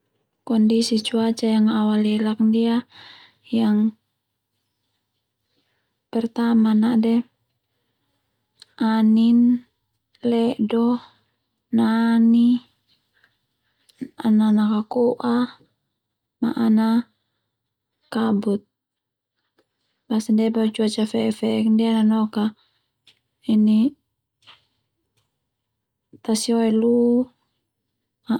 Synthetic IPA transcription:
kɔndisit͡ʃuat͡ʃajaŋawaliɛlak̚dia | jaŋ | pɛrt̪amanadɛ | ʔanin | lɛdɔh | nani | ananakakɔʔa | maʔːna | kabut̪̚ | basandɛbat͡ʃuat͡ʃafɛfɛɛkndɛananɔka | ini | t̪asiɔɛlu | ma

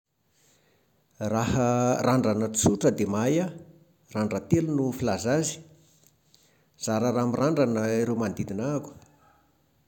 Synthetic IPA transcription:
rahəraɳɖ͡ʐanət͡suʈ͡ʂəd̪emaja | raɳɖ͡ʐət̪elunufilazazi̥ | z̥aɾəɾamiraɳɖ͡ʐanəiɾewmand̪id̪inaku̥

